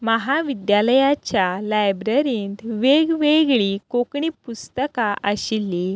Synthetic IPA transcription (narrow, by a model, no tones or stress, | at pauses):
məɦaʋid̪jaləjat͡ɕjalajbɾəɾiːnt̪ʋeɡʋeɡɭikokɳipust̪əkaʔəɕilːi